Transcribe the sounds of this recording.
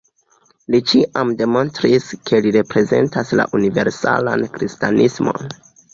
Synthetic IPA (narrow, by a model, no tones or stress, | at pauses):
lit͡ʃiʔamde̞mo̞nstɾiskʰe̞liɾe̞pɾe̞ze̞̰ntasla̰ʔunive̞ɾsa̰la̰nkɾistanʔismo̞̰n